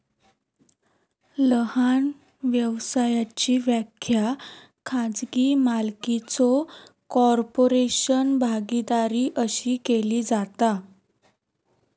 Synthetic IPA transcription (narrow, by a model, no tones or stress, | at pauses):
ləhan | ʋjəʋsajat͡ɕiːʋjakʰja | kʰãd͡zɡiːmalkit͡sɔkɔɾpoɾeɕənbʱaɡid̪aɾiːʔəɕiːkeliːd͡zat̪a